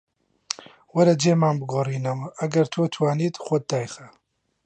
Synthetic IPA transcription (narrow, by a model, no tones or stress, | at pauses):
wɐɾɐd͡ʒeːmaːnbɨɡoːriːnɨmɐɡɐɾt̪ʰoːt̪ʰwaːniːt̪xʷɔd̪̚d̪aːjxɐ